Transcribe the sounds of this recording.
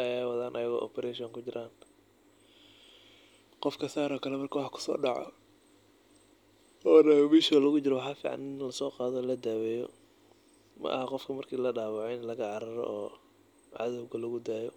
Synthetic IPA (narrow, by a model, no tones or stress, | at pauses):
ʔɐjaːwɑðaːnʔɐjɐɣɔ̰ːʔɔ̰pʰɛɾɛʃɔːŋkʰʊd͡ʒɪɾʔaːn | qɔfkʰɐsaːɾɔːkʰɐlɛmɐrkʰɐwɑħkʰʊ̥sɔ̰ːɖɑʕɔ̰ | ɔːnɐmɛːʃɐwɐlɐɣʊt͡ʃɪɾɔwɑħɑːfḭːʕɑ̰nɪnlɐsɔːqɑːðɔːlɐd̪aːwɛːjɔ̰ | mɐ̰ʔɐ̰hɐqɔfkʰɐmɐrkʰiːlɐɖaːwɑʕɔɪnlɐɣɐʕɑɾɐɾɔ̰ʔɔː | ʕɑ̰ðɔwɣɐlɐɣʊd̪aːjɔ